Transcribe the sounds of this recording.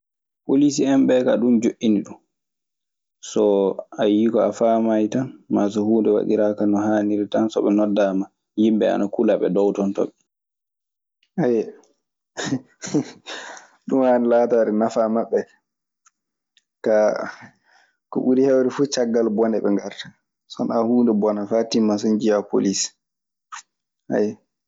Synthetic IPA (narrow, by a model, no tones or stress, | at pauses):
polis̬iɛmbɛkaɗumd͡ʒoʔːiniɗum | sɔajikɔafamajtanmas̬ɔhuːndɛwa̰ɗiɾakanɔhaːniɾitansɔ̰ɓɛnɔdːama | jimbɛa̰nakulaɓɛ̰dɔwtɔntɔ̰ɓɛ | aj | ɗumhanilaːtaɾɛnafamaɓːɛ | ka | kɔ̰ɓuɾihɛwɾɛfut͡ʃaɡːalbɔnɛɓɛŋɡaɾtḁ | sɔ̰nahuːndɛbɔnafatimas̬ɔnd͡ʒijapo̰lis | ha̰jɛ